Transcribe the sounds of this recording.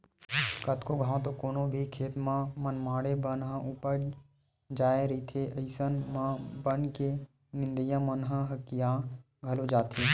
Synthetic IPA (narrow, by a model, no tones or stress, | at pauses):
kət̪koɡʱãːt̪okoːnõbʱikʰeːt̪mãmənmaːɽebənɦə̃upəɾ | d͡ʒaːeɾit̪ʰeʔəɪsənmãbənke | nɪ̃nd̪əjãmənɦə̃ɦəkijã | ɡʱɐlod͡ʒaːt̪ʰi